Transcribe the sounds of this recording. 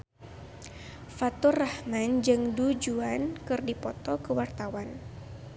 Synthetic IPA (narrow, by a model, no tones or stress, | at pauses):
fat̪ɔrahmand͡ʒɨŋdud͡ʒuankɨrdipɔt̪ɔkəwart̪awan